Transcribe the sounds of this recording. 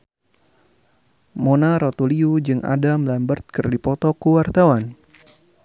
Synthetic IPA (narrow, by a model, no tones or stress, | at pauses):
monaɾɔt̪uliud͡ʒɨŋʔa̰damlambərt̪̚kɨrdipɔt̪ɔkuwart̪awan